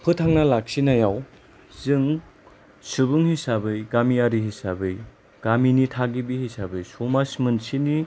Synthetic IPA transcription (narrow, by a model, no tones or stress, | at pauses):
pʰɯtʰaŋnalak̚sinajaw | zɯŋ | subuŋhisabɯjɡamiaɾiɦisabɯj | ɡ̥aminitʰaɡibihisabɯjsomasmɯnsini